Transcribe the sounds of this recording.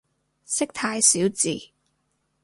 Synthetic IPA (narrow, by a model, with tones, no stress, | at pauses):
sɪ˥k̚t̪ʰaː˧jsiː˨˥wt͡sḭː˨˩